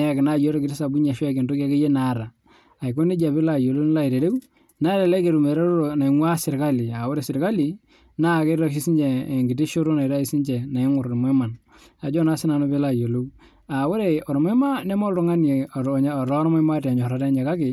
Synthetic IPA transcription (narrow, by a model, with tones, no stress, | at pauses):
ja˨kɪ˨na˦˨jo˦ɾo˦kɪ˨tɪ˦sa˨bu˦ɲa˨ʃwke˨nto˦ka˦ke˦je˦na˨˦ɾaː˨ | jko˦ni˦d͡ʒa˨pɪ˦la˨jo˨lo˦n˦la˦i˨ɾe˨ɾe˦w | na˦ɾa˨la˦ke˨ɾu˨me˨ɾe˦ɾo˦ɾo˨na˨ɪ˨ŋwa˦sɪ˨ɾka˦li˨a˨wo˦ɾe˨sɪ˨ɾka˦li˨ | na˦˨ke˦ɾa˦ʃ̬i˦si˦nd͡ʒe˨ŋɡɪ˨ti˦ʃo˦ɾo˦na˨i˨ɾa˦i˦si˦nt͡ʃe˨na˨ɪ˦ŋʊ˨ɾɾm˨e˦ma˨n | a˨d͡ʒɔ˦na˦sɪ˦na˨no˦pɪ˦la˨jo˨lo˦w | a˨wo˦ɾe˨ɔ˨ɾm˦e˦ma˦ne˦mɔ˦ltʊ˦ŋa˦ne˨ɲ˦˨ɾɔ˦ɾma˦ma˦ta˨ɲɔ˨ɾa˨˦ta˦ɲe˨ka˦kɪ˨